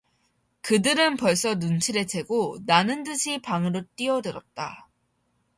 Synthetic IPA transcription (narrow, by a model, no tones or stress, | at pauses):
kɯdɯɾɯnpʌɭs͈ʌnunt͡ɕʰiɾe̞t͡ɕʰe̞ɡonanɯntɯɕʰipaŋɯɾot͈iʌdɯɾʌt̚t͈a̰